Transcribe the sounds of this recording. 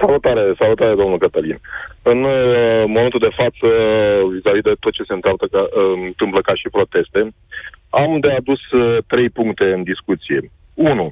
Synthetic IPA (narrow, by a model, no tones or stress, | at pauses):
salut̪aɾe̞salut̪aɾe̞d̪o̞mnulkət̪əlinɨnmo̞ment̪uld̪e̞fat̪səvizavid̪e̞t̪o̞t̪̚t͡ʃe̞se̞ɨnt̪at̪əant̪ɨmpləkaʃipɾo̞t̪e̞st̪e̞ | amd̪e̞ad̪ust̪ɾe̞jpuŋkt̪e̞ɨnd̪iskut̪sije̞ | unu